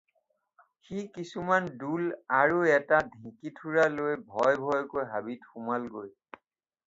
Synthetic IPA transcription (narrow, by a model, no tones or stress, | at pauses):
xikisumandulaɹuɛtadʱĩkitʰuɹalojbʱɔjbʱɔjkojɦabitxumalɡoj